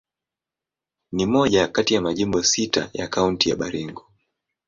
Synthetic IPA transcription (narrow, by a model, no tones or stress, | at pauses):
nimɔʄakatijamaʄimbɔsita̰jakauntija̰ɓaɾiŋɡɔ